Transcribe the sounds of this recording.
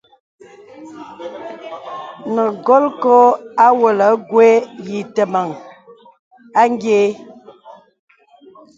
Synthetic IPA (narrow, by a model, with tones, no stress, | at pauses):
nə˨ɡɔ˦lkɔ˦a˦wo˨lə˨˦ɡwe˦ji˨tə˨ma˨ŋ | a˦ŋ˦ɡje˦